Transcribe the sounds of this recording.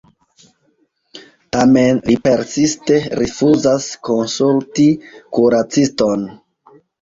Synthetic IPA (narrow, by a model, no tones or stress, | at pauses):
tame̞nlipe̞ɾsiste̞ɾifuzasko̞nsultikuɾat͡sisto̞n